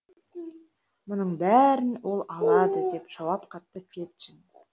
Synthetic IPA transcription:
mʊnəɴbæɾɪnwo̞lˠɑlˠɑd̪əd̪e̞pʒ̥ɑwɑpqʰɑt̪ːəfʲet̪ʃɪn

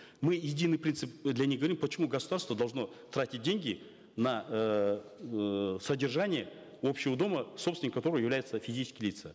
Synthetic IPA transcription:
mɨjɪdʲinːɨjpʲint̪sɨp̚d̪lʲanʲixɡəvɐɾimpət͡ɕɪmuɡəsʊd̪arst̪vəd̪ɐlˠʐno̞ | t̪ɾatʲɪt̚ʲdʲenʲɡʲɪ | nɐ | sədʲɪrʐanʲɪjə | o̞pɕːɪvəd̪o̞məsopsʲɪnʲkːɐt̪o̞ɾəvəjɪvlʲæjɪt̪səfʲɪzʲit͡ʃɪ̥skʲɪjlʲit̪sə

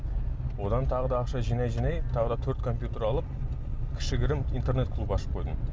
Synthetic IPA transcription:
wo̞d̪ɑnt̪ʰɑʁəd̪ɑːqʃɑʒijnɑjʒijnɑjt̪ʰɑʁəd̪ɑt̪ʰɵɾt̪kʰo̞mpʲjut̪e̞ɾɑlˠəp̚ | kʲʰɪ̥ʃɪɡʲɪɾɪmijnt̪e̞ɾnet̪̚kʰlˠupɑʃə̥p̚qʰo̞jd̪əɴ

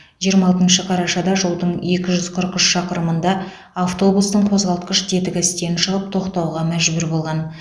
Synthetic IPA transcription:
ʒijəɾmɑlˠt̪ənʃəqʰɑɾɑʃɑd̪ɑʒəlˠd̪əɴe̞kʲɪʒʏz̥qʰəɾqʏʃʃɑqəɾəmənd̪ɑ | aft̪o̞bust̪əɴqʰo̞zʁɑlˠt̪qəʃd̪e̞t̪ɪkʲæst̪e̞ɾɪnʃəʁəp̚t̪ʰo̞qt̪ɑwʁɑmæʒbʏɾbo̞lˠʁɑn

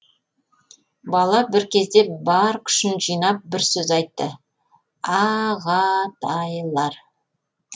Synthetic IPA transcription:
bɑlˠɑbɪɾkʲʰe̞zd̪e̞bɑɾkʲʰʏ̥ʃɪnʒijnɑp̚bɪɾsɵzɑjt̪ːə | ɑʁɑt̪ʰɑjlˠɑɾ

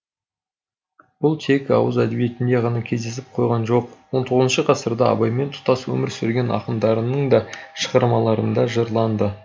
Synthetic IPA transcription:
b̥ʊlˠt̪ʰe̞kɑ̰wəzæd̪e̞bije̞t̪ɪnd̪e̞ʁɑnɑkʲʰe̞zd̪e̞s̬ɪp̚qʰo̞jʁɑnʒo̞q̚wo̞nt̪ʰo̞ʁəzənʃəqʰɑsəɾd̪ɑɑ̰bɑjme̞nt̪ʰʊ̥t̪ɑswɵ̰mɪɾsʏɾɡʲe̞nɑ̰qəmd̪ɑɾənəɴd̪ɑʃə̥ʁɑɾmɑlˠɑɾənd̪ɑʒəɾlˠɑnd̪ə

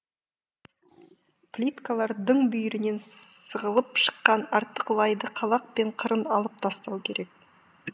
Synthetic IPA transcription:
plʲit̪kalˠɑɾd̪əɴbʏjʏɾɪne̞nsəʁəlˠəpʃə̥qːɑnɑɾt̪ːəqlˠɑjd̪əqʰɑlˠɑq̚pe̞ɴqʰəɾənɑlˠəp̚t̪ʰɑst̪ɑwkʲʰe̞ɾʔe̞k̚

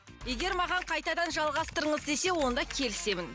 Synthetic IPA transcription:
je̞ɡʲeɾmɑʁɑɴqʰɑjt̪ɑd̪ɑnʒɑlˠʁɑst̪əɾəɴəzd̪e̞se̞wo̞nd̪ɑkʲʰe̞lɪse̞mɪn

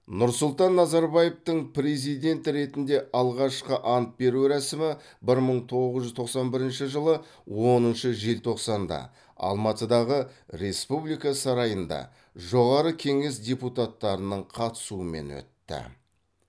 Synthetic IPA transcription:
nʊɾsʊlˠt̪ɑnːɑzɑɾbɑjeft̪əɴpɾe̞zijd̪e̞nt̪ɪɾe̞t̪ɪnd̪e̞ʔɑlˠʁɑʃqəʔɑnt̪̚be̞ɾuɾæsɪmɪ | bɪɾməɴt̪ʰo̞ʁəzʒʏzt̪ʰo̞qsɑnbɪɾɪnʃɪʒəlˠə | wo̞nənʃəʒelt̪ʰo̞qsɑnd̪ɑ̰ | ɑ̰lˠmɑt̪əd̪ɑʁəɾe̞spublijkɑsɑɾɑjənd̪ɑ̰ | ʒo̞ʁɑɾəkʲʰe̞ŋe̞sd̪ʲeput̪at̪ːɑɾənəɴqʰɑt̪ə̥suəme̞̰nwɵ̰t̪ːɪ̰

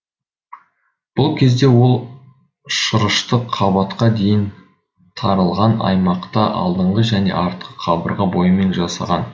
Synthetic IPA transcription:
b̥ʊlˠkʲʰe̞zd̪e̞wo̞lˠ | ʃəɾəʃt̪əqʰːɑbɑt̪qɑd̪e̞jɪn | t̪ʰɑɾəlˠʁɑnɑ̰jmɑqt̪ɑʔɑ̰lˠd̪əɴʁəʒæne̞̰ʔɑɾt̪qʰə̥qʰɑbə̰ɾʁəbo̞jəme̞nʒɑsɑ̰ʁɑn

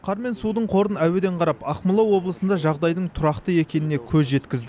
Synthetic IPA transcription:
qʰɑɾme̞nsud̪əɴqʰo̞ɾənæwed̪e̞ɴqʰɑɾɑpɑqməlˠɑwo̞blˠəsənd̪ɑʒɑʁd̪ɑjd̪əɴt̪ʰʊɾɑqt̪əe̞kʲe̞nɪne̞kʲʰɵzʒe̞t̪kʲɪzd̪ɪ

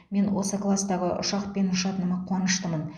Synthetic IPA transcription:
me̞nwo̞səklˠast̪ɑʁə̰ʔʊ̰ʃɑqpe̞nʃɑt̪ənəmɑqʰwɑnəʃt̪əmən

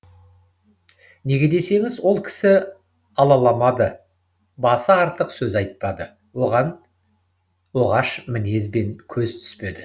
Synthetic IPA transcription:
ne̞ɡʲe̞d̪e̞se̞ŋɪzwo̞lˠkʲʰɪ̥sɪ | ɑlˠɑlˠɑmɑd̪ə | bɑsəɑɾt̪əqsɵzɑjt̪̚pɑd̪ə | wo̞ʁɑn | wo̞ʁɑʃmɪne̞zbe̞ŋkʲʰɵz̥t̪ʰʏ̥spe̞d̪ɪ

